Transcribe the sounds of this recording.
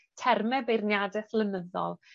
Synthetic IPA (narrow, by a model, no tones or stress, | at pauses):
tʰɛrmɛbejrnjadɛθlˠənəðɔ̰lˠ